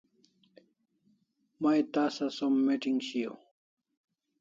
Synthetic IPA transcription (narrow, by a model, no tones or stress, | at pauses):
majt̪aːsɐsomːeʈiŋɡɕijo̰